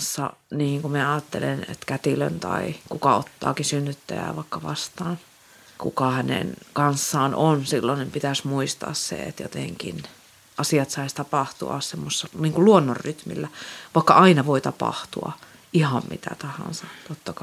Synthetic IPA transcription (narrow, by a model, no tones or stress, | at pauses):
sːɑ̰niːŋkuminæɑːt̪ːelenḛt̪kæt̪ilø̰nt̪ɑ̰ikukɑot̪ːɑ̰ːkinsynːyt̪ːæ̰jæ̰ːʋɑikːɑʋɑ̰st̪ɑːn | kukɑhænḛnkɑnsːɑːnonsilːonnimpit̪æsmuist̪ɑ̰ːssḛḛt̪jo̰t̪eŋkḭn | ʔɑsiɑt̪sɑist̪ɑpɑht̪ṵɑ̰ssemːossːɑniːŋkuluonːorryt̪mḭlːæʋɑˑikːɑ̰ʔɑinɑʋoit̪ɑpɑ̰ht̪uɑ̰ | ʔihɑmmḭt̪æ̰t̪ɑhɑ̰nsɑt̪ot̪ːɑkɑ